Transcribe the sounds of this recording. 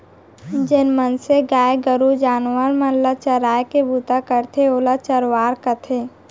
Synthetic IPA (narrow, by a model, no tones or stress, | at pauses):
d͡ʒɪnmənseɡaːjeɡəɾud͡ʒaːnwəɾmələt͡ʃəɾaːjkebut̪akəɾt̪ʰeoːlat͡ʃəɾwaːɾkət̪ʰe